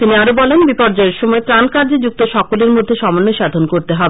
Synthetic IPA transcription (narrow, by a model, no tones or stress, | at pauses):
t̪iniaɾobɔlenbipɔɾd͡ʑɔeɾʃɔmɔet̪ɾankaɾd͡ʑed͡ʑuk̚t̪oʃɔkoleɾmod̪ʱːeʃɔmonːoʃad̪ʱonkoɾt̪eɦɔbe